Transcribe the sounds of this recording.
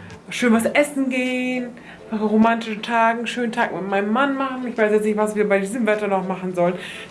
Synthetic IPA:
ʃøːnvasʔɛsn̩ɡeːn | ʁomantɪʃn̩tʰaːɡŋ̩ʃøːn̩tʰaːkmɪt̚maɪnəmːanmaχn̩ɪçv̥aɪsjɛt͡snɪçtvasv̥iːɐbaɪdiːzəmvɛtɐnɔχmaχn̩zɔlən

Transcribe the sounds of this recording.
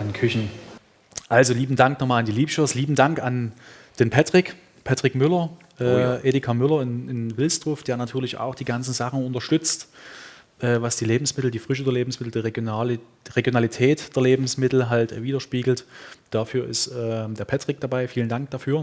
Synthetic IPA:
ʔankʰʏçn̩ | ʔalzoliːbm̩daŋknɔχmaːlandiːliːpʃosliːbm̩daŋkand̥eːnpʰatʁ̥ɪk | pʰatʁ̥ɪkmʏlɐ | ʔɛːʔeːdɪkʰamʏlɐɪnɪnvɪlsd̥ʁ̥ofd̥eːɐnatʰyːɐlɪça̰ʊxd̥iːɡant͡sn̩zaχn̩ʊntɐʃtʏt͡st | ʔɛːvasd̥iːleːbm̩smɪtl̩diːfʁ̥ʏʃodɐleːbm̩smɪtl̩d̥iːʁ̥ | ʁeɡjonalitʰɛːtd̥eːɐleːbm̩smɪtl̩ɦaltviːdɐʃpiːɡl̩td̥afyːɐʔɪ̰stʔɛːd̥eːɐpʰatʁ̥ɪk̚d̥abaɪfiːləndaŋk̚d̥afyːɐ

